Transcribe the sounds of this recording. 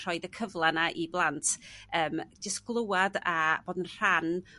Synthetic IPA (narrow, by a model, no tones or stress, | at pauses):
r̥ɔɨdəkʰəvlˠanaʔiblˠantʰəːmd͡ʒəsɡ̥lˠowadab̥oːdənr̥an